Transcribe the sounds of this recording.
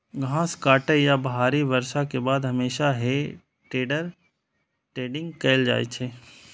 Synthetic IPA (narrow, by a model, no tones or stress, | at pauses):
ɡʱãːskaːʈəjabɐɦaːɾiʋɐɾʃakebaːd̪ɦɐmeːʃaɦe | ʈeːɖəɾ | ʈeːɖɪ̃ŋɡkeɪld͡ʒa̰ːḛt͡ʃʰeː